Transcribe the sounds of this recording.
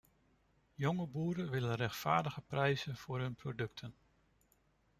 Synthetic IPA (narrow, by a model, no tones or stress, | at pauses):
jɔŋəbuːɾəʋɪlənrɛxtfa̰ːɹdəɣəprɛjzənv̥ʊːrɦɵnprodɵk̚tʰən